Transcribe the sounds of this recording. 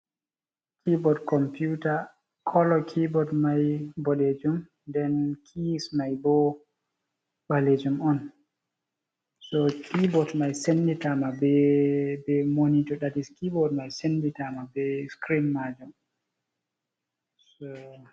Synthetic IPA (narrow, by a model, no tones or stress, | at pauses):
kʰibɔdkɔmpjuta | kʰɔlɔkʰibɔdmajbɔled͡ʒum | dɛnkʰismajbɔ | ɓaled͡ʒumɔn | sɔkʰibɔdmajsenditamabɛbɛmonitɔɗadiskibɔdmajsenditamabɛskɾinmad͡ʒum | sɔ